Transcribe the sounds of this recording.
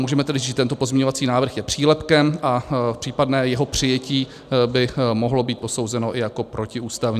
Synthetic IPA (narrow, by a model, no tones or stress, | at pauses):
muːʒɛmɛt̪ɛdɪzʒit̪ɛnt̪o̞po̞zmɲɛɲovat͡siːnaːvr̩xjɛpr̥iːlɛpkɛmʔapr̥iːpadnɛːjɛɦo̞pr̝̥ɪjɛciː | bɪmoɦlo̞biːt̪̚po̞so̞wzɛno̞ʔɪjako̞pɾo̞cɪuːst̪avɲ